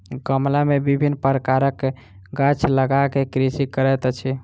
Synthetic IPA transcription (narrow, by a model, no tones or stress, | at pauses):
ɡəmlamebibʱinːpəɾəkaɾəkːe | ɡat͡ʃʰləɡakekɾisikəɾɛt̪t͡ʃʰi